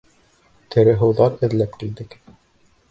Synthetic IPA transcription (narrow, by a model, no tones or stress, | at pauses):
t̪ʰɘ̆ɾɘɦɤ̆wðɑɾɘ̆ðlæpkild̪ɘk